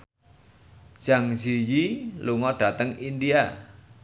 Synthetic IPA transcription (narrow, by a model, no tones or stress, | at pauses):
ʒ̥aŋzijiluŋɔɖ̥a̤t̪əŋindia